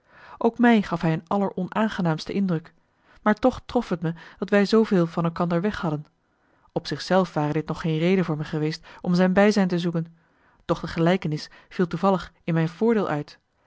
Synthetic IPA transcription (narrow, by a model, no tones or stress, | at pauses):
ʔowkmɛjχɑfɦɛjənɑləɹʔɔnaːnχənaːmstəʔɪndrɵk | maːɹtɔχtrɔfətməd̥ɑtʋɛjzowveːlˠvɑnɛlˠkɑndəɹʋɛχhɑdən | ɔpsɪχsɛlˠfʋaːrədɪtnɔχːejnrejdənvʊːɹmɛχəʋejstʔɔmzɛjnbɛjzɛjntəzukən | d̥ɔχdəχəlɛjkənɪs | v̥ilˠtuvɑlˠəχɪnmɛjnvʊːɹdɪːlˠʔœɥt